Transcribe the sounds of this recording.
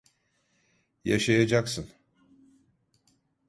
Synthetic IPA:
jaʃajad͡ʒaksɯn

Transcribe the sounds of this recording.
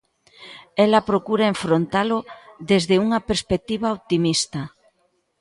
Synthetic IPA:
ɛlapɾokuɾaeɱfɾont̪aloðezðeuŋɐpeɾspek̚t̪iβaot̪imist̪ɐ

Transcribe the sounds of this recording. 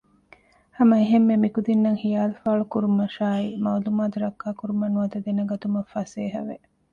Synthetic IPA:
hɐmɐeɦemːemikud̪inːɐŋhijaːlufaːɭukuɾumɐʃaːimɐwlumaːd̪uɾɐkːaːkuɾumɐnuɐd̪ɐd̪enɐɡɐt̪umɐfɐseːɦɐ̰ʋe

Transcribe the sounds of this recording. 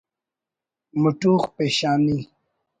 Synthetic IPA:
muʈuːχpeːɕaːni

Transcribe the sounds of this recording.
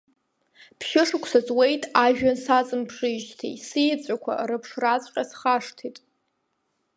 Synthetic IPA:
pʰʃɪʂɨkʷʰsazʼwejtʼaʒᶣansat͡sʼɨmpʰʂɨʒtʰḭsijt͡sʷʼakʷʰa̰ɾɨpʰʂrat͡sʷʼqʲʼasχaʂtʰitʼ

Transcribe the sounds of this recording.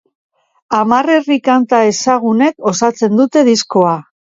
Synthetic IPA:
amare̞rikant̪ae̞saɣune̞ko̞sat͡se̞nd̪ut̪e̞ðisko̞a

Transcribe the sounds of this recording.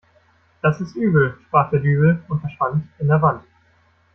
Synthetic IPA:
d̥asɪstʔyːbl̩ʃpʁ̥aːχd̥eːɐdyːbl̩ʊntfɛɐʃv̥antɪndeːɐvant

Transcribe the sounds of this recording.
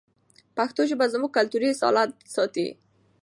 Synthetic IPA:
paxt̪oʒebazmuɡ̚kalt̪uɾisɑ̰lat̪̚sɔt̪ḭ

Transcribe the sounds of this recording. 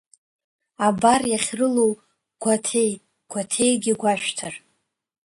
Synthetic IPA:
abarjaχʲrɨlow | ɡ̥ʷatʰe̞j | ɡ̥ʷatʰe̞jɡʲɪɡʷaʃᶣtʰar

